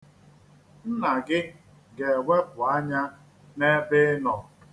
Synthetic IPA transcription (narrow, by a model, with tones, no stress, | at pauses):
n̩˦na˨ɡɪ˦ | ɡe˨wʷe˦kʊ˨a˦ɲa˦ | ne˦bɪ˦nɔ˨